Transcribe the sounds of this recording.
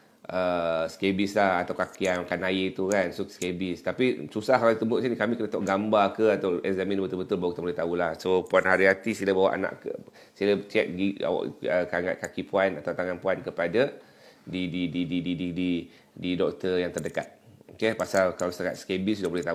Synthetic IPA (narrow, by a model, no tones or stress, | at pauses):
ʔəskebislahat̪awkakiaŋakanajet̪ukansoskebist̪apisusahat̪əmʊʔsnikamikənat̪ɔʔɡambakəat̪awɛ̰kzamĩnbət̪ʊbət̪ʊlbawaʔ̚t̪ambolɛht̪aulahsopuanɦaɾiɦat̪isilabawa̰ʔa̰na̰ʔkə̰ | silat͡ʃɛt̪̚ɡia̰wa̰ʔəkaŋa̰t̚kakipuanat̪awt̪aŋanpuankəpada | dididididididi | didɔk̚t̪əjaŋt̪ərdəkat̪̚okepasalkalast̪aka̰t̪skebisudahbolɛht̪au